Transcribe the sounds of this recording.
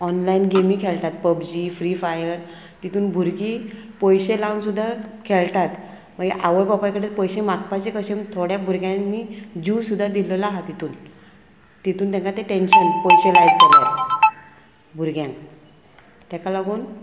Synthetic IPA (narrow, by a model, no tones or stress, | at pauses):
ɔnlainɡemĩkʰɛlt̪at̪̚pəbd͡ʑiːfɾifajəɾ | t̪it̪uːnbʱuɾɡipɔjɕelansud̪ʱːakʰɛlt̪at̪ | m̤əɡḛʔaʋəɭpapajkəɽelpɔjɕẽmakpat͡ɕekəɕemt̪ʰoɽjabʱuɾɡjãmiːd͡ʑuːsud̪ʱːad̪iləlaɦat̪it̪uːn | t̪it̪uːnt̪ɛ̃ŋkat̪ẽʈenɕənpɔjɕelajt̪̚d͡zala | bʱuɾɡjãŋk | t̪ɛ̃kalaɡuːn